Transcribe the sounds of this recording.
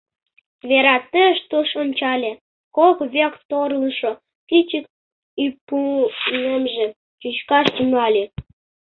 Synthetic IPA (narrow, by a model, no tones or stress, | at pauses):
βeɾɑt̪ːeʃt̪uʃomt͡ɕɑlʲe | kokβekt̪oɾləʃo | kit͡ɕək̚ | ipunemʒĕ | t͡ɕyt͡ɕkɑʃt̪yŋɑlʲe